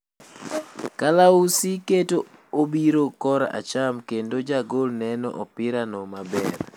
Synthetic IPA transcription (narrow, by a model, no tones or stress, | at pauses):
kalausiketoobiɾokɔɾa̰t͡ʃamkendod͡ʒaɡolnɛnɔ̰ʔɔpɪɾanɔmabɛr